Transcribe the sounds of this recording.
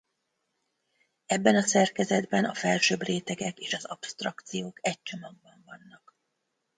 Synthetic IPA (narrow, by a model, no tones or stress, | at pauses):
ɛbːɛnɒsɛrkɛzɛd̪bɛnɒfɛlʃøːbreːt̪ɛɡɛkeːʃɒzɒpst̪rɒkt̪sijoːkɛc̚t͡ʃomɒɡ̚bɒɱvɒnːɒk